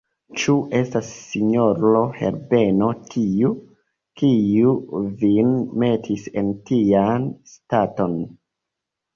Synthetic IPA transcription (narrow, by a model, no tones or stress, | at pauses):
t͡ʃuʔe̞stasːiɲoɾohe̞̰ɾbe̞no̞tʰiu | kiuvinme̞tʰise̞ntianstato̞n